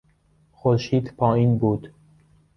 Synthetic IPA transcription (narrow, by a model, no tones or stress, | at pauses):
xoɾʃiːd̪pʰɒːiːnbuːd̪̥